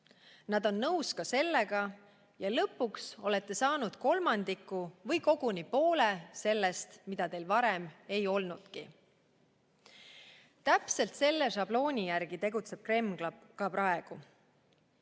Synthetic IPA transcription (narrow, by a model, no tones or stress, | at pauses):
nɑd̪̥o̞nːɤwskɑse̞lːeɡɑ | jɑlɤ̞pːukso̞le̞t̪ːe̞sɑːnud̪̥ko̞lmɑnd̪̥ikˑːuvɤjko̞ɡ̥unipo̞ːlese̞lːest̪mid̪̥ɑt̪e̞lvɑɾeme̞jo̞lnud̪̥ki | t̪æpse̞lt̪se̞lːeʃɑb̥lo̞ːnʲijærɡ̥it̪e̞ɡut̪se̞b̥̚kre̞mɡ̥lɑkɑpɾɑe̞ɡ̥u